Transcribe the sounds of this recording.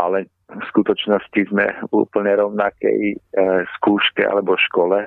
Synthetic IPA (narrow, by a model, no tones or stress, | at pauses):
ʔalɛ | fskut̪ɔt͡ʃnɔscizmɛ̰ṵːpl̩ɲɛɾɔʊnakɛ̰jskuːʃkɛa̰lɛbɔʃkɔlɛ